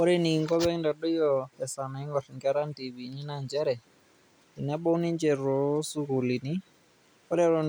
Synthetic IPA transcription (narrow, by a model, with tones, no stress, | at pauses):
ɔ˦ɾɛ˦ni˨ŋɡɔ˦βɛ˦nda˨ɗɔ˦jɔɛ˨sa˨na˨i˦ŋɡɔ˨ri˨ŋɡɛ˦ɾa˦nti˨βi˨ni˦na˦ɲd͡ʒɛ˦ɾɛ˨ | i˨nɛ˦ɓɔ˦u˦ni˦ɲd͡ʒɛ˨ɾɔ˨su˦ku˨li˨ni˦ | ɔ˦ɾɛ˦ɾɔ